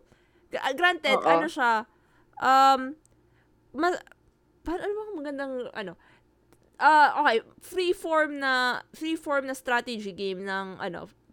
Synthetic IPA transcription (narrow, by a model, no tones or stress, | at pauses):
ɡɾant̪ɛd̪ʔɐnoʃa | ʔɐm | mɐ | paɾɐʔɐnobɐkmɐɡɐnd̪ɐŋʔɐ̰no̞ | ʔɐʔokej | fɾifoɹmnɐfɾiːfoɹmnɐst̪ɾat̪ɛd͡ʒiɡejmnɐŋʔɐ̰no̞̰